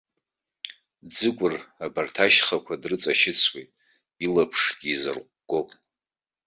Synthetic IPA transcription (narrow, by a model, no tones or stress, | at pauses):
d͡zɨkʷʼʊrabartʰaʃχakʷʰadrɨt͡sʼaʃɪt͡sʰwejtʼ | ilapʰʂɡʲiːzɨ̰rqʷɡ̥opʼ